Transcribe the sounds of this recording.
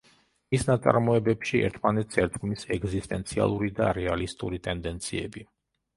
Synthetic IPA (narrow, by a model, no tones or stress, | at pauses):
misnat̪sʼa̰ɾmɔɛbɛpʃiɛ̰ɾt̪ʰmanɛt̪ʰsɛɾt̪ɡmisɛɡzist̪ʼɛnt̪sʰia̰lˠuɾid̪a̰ɾɛalist̪ʼuɾit̪ʼɛnd̪ɛnt̪sʰiɛbi